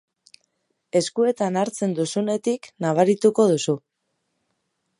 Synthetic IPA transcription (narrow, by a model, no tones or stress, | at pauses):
e̞skue̞t̪anaɾt͡se̞nd̪usune̞t̪iknaβ̞aɾit̪uko̞ðusu